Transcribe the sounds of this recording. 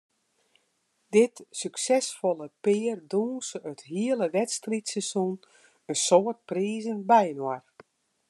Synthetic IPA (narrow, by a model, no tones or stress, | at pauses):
d̥ɪtsyksɛsfɔlˠəpɪːrduːnsətɦiəlˠəʋɛtstritsɛsun | ənsoːərt̚priːzənbɛjnwar